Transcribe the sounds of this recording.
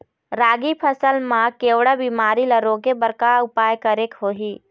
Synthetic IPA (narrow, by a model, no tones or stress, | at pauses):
ɾaːɡipʰəsəlmãkeːʋɽəbimaːɾiləɾokebəɾkaʊpaːjkəɾekɦoːɦiː